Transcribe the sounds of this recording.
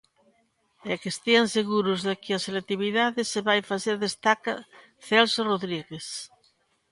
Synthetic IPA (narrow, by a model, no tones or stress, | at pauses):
ɛkest̪ianseɣuɾozðekɪaselek̚t̪iβ̞iðaðɪseβajfaθeɾðest̪aka | θɛlsoroðɾiɣes